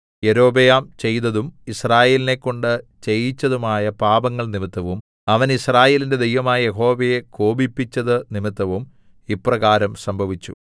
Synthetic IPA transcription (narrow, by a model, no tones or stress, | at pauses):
je̞ɾo̞ːbejaːmt͡ɕe̞jnɐðumisraːje̞ːline̞kːo̞ɳɖɨt͡ɕe̞jit͡ɕːɐðumaːjɐpaːbɐŋːɐɭnimit̪ːɐʋum | ɐʋɐnisraːjeːlinde̞d̪ejʋɐmaːjɐjeɦo̞ːʋɐje̞ko̞ːbipːit͡ɕːɐðɨnimit̪ːɐʋum | iprɐɣaːɾɐmsɐmbʱɐʋit͡ɕːṵ